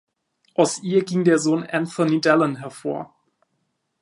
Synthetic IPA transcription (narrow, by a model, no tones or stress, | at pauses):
ʔaʊsʔiːɐɡɪŋdeːɐzoːnʔanθɔnidɛlənɦɛɐfoːɐ